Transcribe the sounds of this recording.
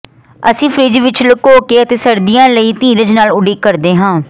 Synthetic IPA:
əsĩːpʰɾiːd͡ʒiːʋɪt͡ʃləkoːkeːət̪eːsəɾd̪ijãːləiːt̪iːɾəd͡ʒnaːlʊɖiːkəɾd̪eːɦãː

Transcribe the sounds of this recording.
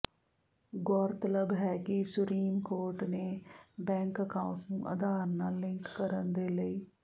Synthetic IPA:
ɡɔːɾt̪ələbɦɛːkisʊpɾiːmkoːɾʈneːbɛ̃ːŋkəkaːʊ̃ʈnũːʔə̰d̪aːɾnaːlɪ̃ŋkːəɾənd̪eːləiː

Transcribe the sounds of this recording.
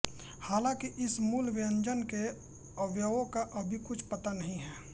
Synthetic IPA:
haːlãkiʔɪsmuːlʋɪə̃ɲd͡ʒənke | ɐʋjəõkaʔɐbʱikʊt͡ʃʰpɐt̪anɐɦĩɦɛː

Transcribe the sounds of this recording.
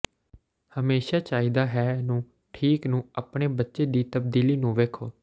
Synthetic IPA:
həmeːʃaːt͡ʃaːiːd̪aːɦɛːnũː | ʈʰiːknũːapɳeːbətːʃeːd̪iːt̪əb̚d̪iːliːnũːʋeːkʰoː

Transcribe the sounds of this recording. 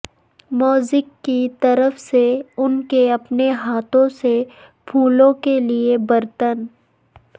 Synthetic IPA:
mɔːzɪkːit̪ɐɾəfseʊnkeɐpneɦaːt̪õse | pʰuːlõkeliebɐɾt̪ən

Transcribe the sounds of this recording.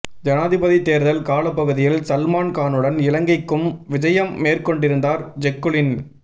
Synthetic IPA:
d͡ʒɐnaːðɪbɐðit̪ːeːɾðɐlkaːlɐpːɐɣɯðɪjɪlsɐlmaːnkaːnɯɽɐnɪlɐŋɡɐɪkːɯmʋɪd͡ʒɐjɐmːeːrkɔɳɖɪɾɯnd̪aːɾd͡ʒɛkːɯlɪn

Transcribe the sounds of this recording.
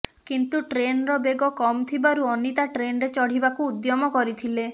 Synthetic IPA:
kint̪uʈɾenɾɔbeɡɔkɔmt̪ʰibaɾuɔnit̪aʈɾenɔɾet͡ʃɔɽ̤ibakuːd̪jɔmɔkɔɾit̪ʰile

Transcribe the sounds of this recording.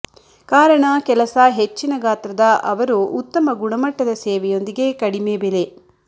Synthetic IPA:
kaːɾɐɳɐkɛlɐsɐɦet͡ʃːinɐɡaːt̪ɾɐd̪ɐʔɐʋɐɾuːt̪ːɐmɐɡuɳɐmɐʈːɐd̪ɐsɛːʋɛjo̞nd̪iɡe̞kɐɽimeːbele̞

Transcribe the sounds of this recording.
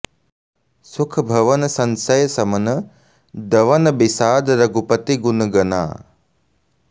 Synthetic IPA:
sukʰɐbʱɐʋɐnɐsɐnsɐjɐsɐmɐnɐ | d̪ɐʋɐnɐbisaːd̪ɐɾɐɡupɐt̪iɡunɐɡɐna̰ː

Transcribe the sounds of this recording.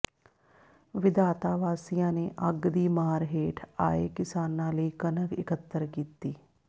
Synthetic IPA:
ʋɪd̪aːt̪aːʋaːsijãːneːʔəɡd̪iːmaːɾɦeːʈʰa̰ːḛːkɪsaːnãːləiːkənəkɪ̰kət̪ːəɾkiːt̪iː

